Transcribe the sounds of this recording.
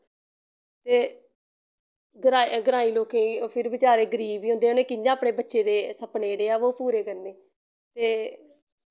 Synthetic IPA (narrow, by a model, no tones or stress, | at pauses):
t̪eː | ɡɾaːɡəɾaːiːloːkẽːpʰɪɾʋɪt͡ʃaːɾeːɡəɾiːbiːõnd̪eːʊneːkɪãːəpɽeːbətːʃeːd̪eːsəpneːɽeːaːʋoːpuːɾeːkəɾneː | t̪eː